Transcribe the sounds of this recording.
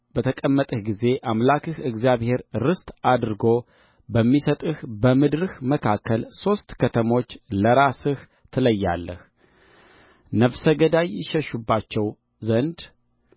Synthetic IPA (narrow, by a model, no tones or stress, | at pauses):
b̥ət̪ʰəkʼəmːət̪ʼəhɡize̞ʔamlakʰɨhɨɡzjaβhe̞ɾɾɨst̪ʼad̪ɾɨɡo̞ | bəmːisət̪ʼɨhbəmɨd̪ɾɨhməkʰakːəlso̞st̪kʰət̪ʰəmo̞t͡ʃːləɾasɨh | t̪ʰɨləjːalːəh | nəfsəɡəd̪ajɪʃəʃubːat͡ʃːɛw | zənd̪